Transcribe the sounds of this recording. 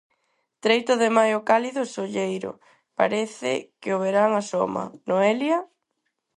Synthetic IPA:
t̪ɾejt̪ʊðemajʊkaliðʊsoʎejɾʊ̰ | pa̰ɾɛθɪ̰kɪoβeɾaŋaso̰mɐ̰noɛljɐ

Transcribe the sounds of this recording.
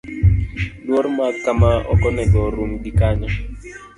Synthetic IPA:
lwɔɾmakamaɔ̰kɔnɛɡɔɾumdikaɲɔ

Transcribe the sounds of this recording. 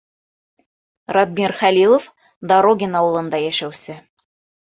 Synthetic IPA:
rɑd̪̚mʲirχælʲilˠof | d̪ɑɾoɡʲɪnɑwɤ̆lˠɤ̆nd̪ɑjæʃæwsɘ

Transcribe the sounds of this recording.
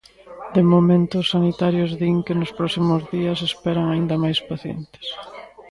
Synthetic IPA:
d̪emomẽnt̪ʊsːanit̪aɾjʊzðiŋkɪnʊspɾɔsimʊzðiɐsespɛɾɐŋaind̪ɐmajspaθjḛnt̪ɪ̥s

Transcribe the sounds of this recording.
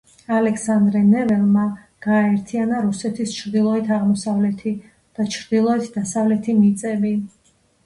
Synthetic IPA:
alɛksand̪ɾɛnɛvɛlˠma | ɡ̥aːɛɾt̪ʰianaɾusɛt̪ʰist͡ʃʰɾd̪ilˠɔɛt̪ʰaʁmɔsavlɛt̪ʰi | d̪̥at͡ʃʰɾd̪ilˠɔɛt̪ʰd̪asavlɛt̪ʰimit̪sʼɛbi

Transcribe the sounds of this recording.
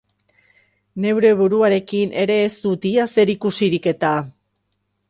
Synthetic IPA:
ne̞wɾe̞β̞uɾuaɾe̞kinʔe̞ɾe̞ːst̪ut̪iase̞ɾikusiɾike̞t̪a

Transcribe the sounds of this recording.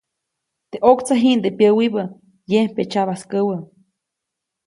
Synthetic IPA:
d̪̥eʔokt͡saɦind̪epjəwibə | jepet͡ʃaβaskəwə

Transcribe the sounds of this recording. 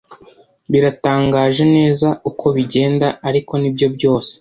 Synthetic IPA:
βiɾataːŋɡaːʒe̞ne̞ːzaukʰo̞βiɟe̞ːndaaɾiko̞nibjo̞bɟo̞ːse̥

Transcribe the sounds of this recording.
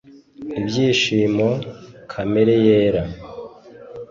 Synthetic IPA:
ibɟiːʃiːmokʰame̞ɾejeːɾa

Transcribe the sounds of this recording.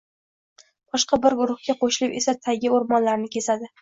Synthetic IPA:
b̥ɒʃqɑbɪɾɡʊɾʊχkʲaqoʃɪlɪpe̞sat̪ʰaɡʲɪoɾmɒnlaɾnɪkʲʰe̞sad̪ɪ

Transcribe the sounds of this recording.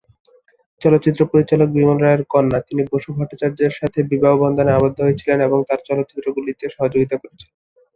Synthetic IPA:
t͡ɕɔlot̪ːɕit̪ːɾopoɾit͡ɕalok̚bimolɾaeɾkɔnːat̪iniboʃubʱɔʈːat͡ɕaɾd͡ʑeɾʃat̪ʰebibʱabobɔnd̪ʱaneabod̪ʱːoɦoet͡ɕʰileneboŋt̪aɾt͡ɕɔlot̪ːt͡ɕi̥t̪ːɾoɡulit̪ieʃɔɦod͡ʑoɡit̪akoɾet͡ɕʰi̥le

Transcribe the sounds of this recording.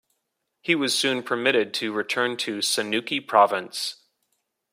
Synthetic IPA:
hiwʌz̥sʉ̃npʰə˞mɪɾɨd̚tʰɨɹɨtʰɜ̃˞ntʰɨsɨnʉkipʰɹ̥ɑvə̃ns

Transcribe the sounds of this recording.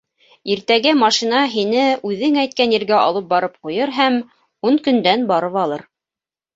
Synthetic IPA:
iɾt̪æɡæmɑʃinɑɦinɘʉðɘŋæjt̪̚kænjĭɾɡæʔɑ̰lˠɤp̚bɑɾɤp̚qujɤɾɦæm | unkɵ̆nd̪ænbɑɾɤβɑlˠɤɾ

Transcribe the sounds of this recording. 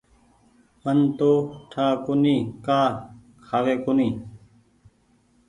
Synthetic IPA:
mənt̪oːʈʰaːkoniːkaː | kʰaːʋeːkoniː

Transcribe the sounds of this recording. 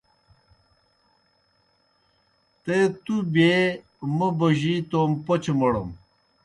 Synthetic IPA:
t̪et̪ubeː | mɐbɐʑit̪oːmpot͡ɕmɐɽɐ̰m

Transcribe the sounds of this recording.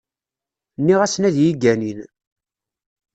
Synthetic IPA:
nːiʁæsnæðjiɡænin

